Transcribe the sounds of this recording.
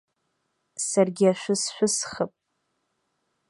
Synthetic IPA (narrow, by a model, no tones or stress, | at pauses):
sarɡʲɪaʃʷᶣʊsħʷᶣʊsχəpʼ